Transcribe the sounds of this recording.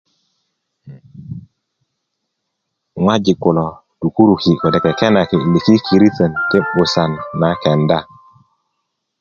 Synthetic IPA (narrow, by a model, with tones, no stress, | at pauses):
ŋwa˦d͡ʒi˨ku˨lɔ˨ | tu˨ku˦ɾu˨ki˨ko˨de˨ke˨kɛ˦na˨ki˨i˨le˨ki˦kʰi˨ɾi˦sə˨nti˦ɓu˨sa˨nːa˨kɛ˨nda˦